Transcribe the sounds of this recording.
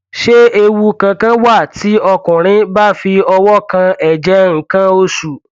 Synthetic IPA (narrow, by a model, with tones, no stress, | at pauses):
ʃe˦e˧wu˧kã˧kã˦wa˦˨ti˨˦ɔ˧kʊ̃˨ɾ̃ĩ˦ba˦˨fi˧ɔ˧wɔ˦kã˧ɛ˨d͡ʒɛ˨˦ŋ̩˨kã˦o˦su˨